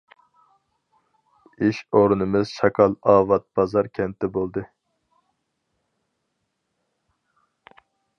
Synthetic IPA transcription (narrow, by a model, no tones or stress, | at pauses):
iʃoɾunɨmɨzʃɑkʰɑlˠɑːvɑt̪̚b̥ɑzɑɾkʲʰɛnt̪ʰːɛbolˠd̪ɨ